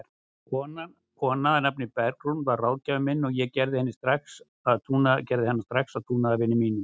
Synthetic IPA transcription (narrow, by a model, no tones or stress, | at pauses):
kʰɔna | kʰɔnaðnapnɪpɛɾkɾunvaɾrːaːwlcavʏmɪnːɔɣjɛɣcɛɾðɪhɛnːɪst̪ɾaks | aðt̪ʰuːnacɛɾðɪhɛnːast̪ɾaksaðt̪ʰuːnaðavɪnːɪmiːnʏm